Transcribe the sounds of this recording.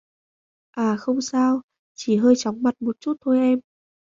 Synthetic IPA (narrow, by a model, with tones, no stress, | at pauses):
ʔaː˨˩xə˧wŋ͡msaː˧w | t͡ɕi˧˩ɦəː˧jt͡ɕaɔ˨˦wŋ͡mma˨˩t̚mo˨˩t̚t͡ɕu˦˥t̚t̪ʰo˧jʔɛ˧m